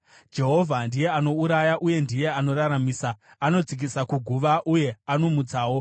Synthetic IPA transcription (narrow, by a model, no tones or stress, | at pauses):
d͡ʒe̞ɦo̞vʱandije̞ano̞uɾajaʔuje̞ndije̞ano̞ɾaɾamiːsaː | no̞d͡zik̬isakuɡʱuʋaʔuje̞ano̞mud͡zaːwo̞